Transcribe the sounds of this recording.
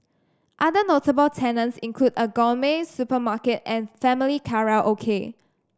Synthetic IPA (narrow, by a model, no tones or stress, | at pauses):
ʔadənotəbəltʰɛnə̃nsĩŋkʰludəɡɔlmẽsupəmakətɛ̃nfɛmilikʰaɹalʔokʰe